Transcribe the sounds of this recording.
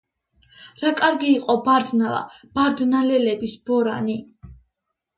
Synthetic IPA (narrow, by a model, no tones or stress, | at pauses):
ɾakʼaɾɡiːqʼɔbaɾd̪nalˠa̰b̥aɾd̪nalɛlɛbisb̥ɔɾani